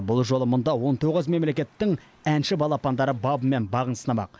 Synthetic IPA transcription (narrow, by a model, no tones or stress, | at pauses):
bʊlˠʒo̞lˠəmʊnd̪ɑwo̞nt̪ʰoʁəzme̞mle̞kʲe̞t̪ːɪŋ | ænʃɪbɑlˠɑpɑnd̪ɑɾəbɑbəme̞nbɑʁənsənɑmɑ̰q